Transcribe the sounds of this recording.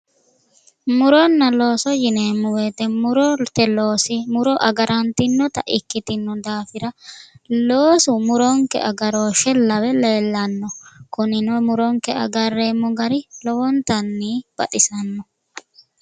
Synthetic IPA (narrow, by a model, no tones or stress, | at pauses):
mʊɾɔnːɐlo̞ːsɔjɪneːmːʊweːt̪ɛmʊɾɔt̪ɛloːsɪmʊɾɔʔɐɡɐɾʔɐnt̪ɪnːɔt̪ɐʔɪkːɪt̪ɪnːɔd̪aːfɪɾɐloːsʊmʊɾɔŋkɛ̰ʔɐɡɐɾo̞ːʃɛlɐwɛleːlːɐnːɔkʊnɪnɔmʊɾɔŋkɛɐ̰ɡɐrːeːmːɔɡɐɾɪlɔwɔnt̪ɐnːiːb̥ɐ̰t̪ʼɪsɐnːɔ